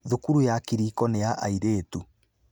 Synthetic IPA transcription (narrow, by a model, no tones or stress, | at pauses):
ðukuɾujakiɾiːkɔnejaʔa̰iɾeːtu